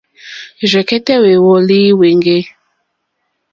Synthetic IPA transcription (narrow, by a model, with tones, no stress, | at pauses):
ʒʷɛ˨kɛ˦tɛ˦we˨wɔ˦li˦we˨ŋɡe˦